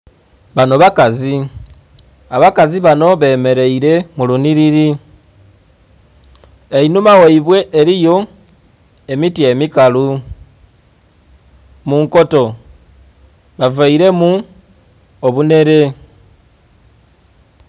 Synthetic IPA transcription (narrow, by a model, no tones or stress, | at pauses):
βano̞βakazi | aβakaziβano̞βe̞ːme̞ɾe̞iɾe̞muluniɾiɾi | e̞inumawoiβwe̞ʔeɾijo̞ | e̞mitie̞mikalu | muŋko̞to̞ | βavaiɾe̞mu | oβune̞ɾe̞